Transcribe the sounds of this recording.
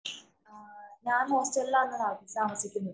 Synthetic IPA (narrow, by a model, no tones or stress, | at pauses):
ɲaːnoːstɐelːaːenːɐnaːkisaːmɐsikʲːunːuðɨ